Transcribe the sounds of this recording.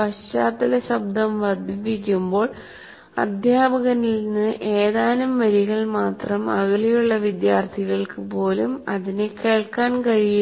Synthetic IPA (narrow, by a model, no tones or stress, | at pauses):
ɐɕaːt̪ːɐlɐɕɐb̚d̪ʱɐmʋɐd̪ʱipik̬ʲːumbo̞ːɭ | ɐ̰d̪ʱjaːbɐɣɐnilnːɨʔe̞ːðaːnɐmʋɐɾiɣɐɭmaːt̪rɐmɐɣɐlɐjuɭːɐʋid̪jaːrt̪ʰiɣɐɭkɨpo̞ːlumɐðineke̞ːɭkaːnkɐɻij